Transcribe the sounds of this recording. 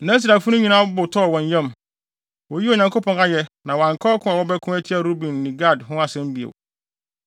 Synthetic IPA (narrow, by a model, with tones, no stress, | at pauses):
nã˦s̬i˨ɾa˨fʊ˦nʊ̃˦ɲĩ˨nã˦bʊ˨tʰɔ˦˨wɔ̃˨ɲ˨jɛ̃˦˨m | wɔ˨ji˦o˨ɲã˨ŋko˦pʰɔ̃˨na˦jɛ˦nã˨wã˨ŋ˨kʰɔː˦kʰʊ̃˦a˨wɔ˦bɛ˦kʰʊ̃˦ɛ˦tʰi˦a˨ɾo˦bĩ˨nːĩ˨ɡa˦˨dɦʊ̃˦a˨sɛ̃˦m˦bi˨ḛ˨w